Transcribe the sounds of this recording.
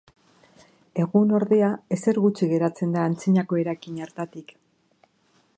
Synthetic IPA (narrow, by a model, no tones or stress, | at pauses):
e̞ɣuno̞ɾðe̞ae̞se̞ɾɣut͡ʃiɣe̞ɾat͡se̞nd̪aːnt͡siɲako̞e̞ɾajkiɲaɾt̪at̪ik